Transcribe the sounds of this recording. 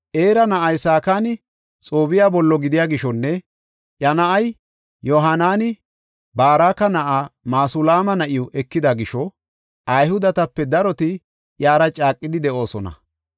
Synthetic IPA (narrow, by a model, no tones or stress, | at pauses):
ʔe̞ːɾɐnɐʔɐjsaːkaːnɪ | t͡sʼoːbɪjaːbɔlːɔɡɪd̪ɪjaːɡɪʃɔnːɛ | ʔjɐnɐʔɐj | jɔɦɐnaːnɪ | baːɾaːkːɐnɐʔaːmaːsʊlaːmɐnɐʔɪjɔʔɛkːɪd̪ɐɡɪʃɔ | ʔɐjhʊd̪ɐt̪ɐpːɛd̪ɐɾɔt̪ɪ | ʔjaːɾɐt͡ʃʼaːkʼːɪd̪ɪd̪ɛʔo̞ːsɔnɐ̰